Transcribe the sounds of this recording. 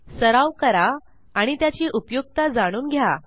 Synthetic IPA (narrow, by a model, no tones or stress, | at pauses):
səɾaʋkəɾaː | ɽ̃it̪jat͡ɕiːʔupjuɡ̚t̪ad͡zaɽ̃uːnɡʱja